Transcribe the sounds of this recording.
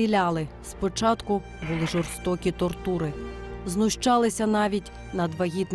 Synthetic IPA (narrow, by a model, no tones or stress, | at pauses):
ilʲɑlˠɪ | spɔt͡ʃɑt̪kʊ | bʊlˠɪʒɔrst̪ɔkʲit̪ɔrt̪uɾɪznʊʃt͡ʃɑlˠɪsʲɐnɑʋʲitʲ | nɐd̪ʋɐɦʲit̪n